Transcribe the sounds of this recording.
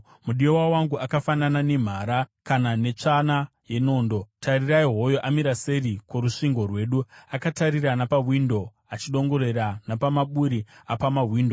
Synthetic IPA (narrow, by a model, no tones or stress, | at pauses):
muɗiowawaŋɡuʔakafananane̞m̤aːɾakanane̞t͡ʂana | je̞no̞ːndo̞tʰariraiɦo̞jo̞ʔamiɾaserikoɾuʂiŋɡo̞rwe̞ɗuakataɾiranapawindo̞ | at͡ʃiɗo̞ŋɡo̞ɾe̞ɾanapamaɓuɾiapamawiːndo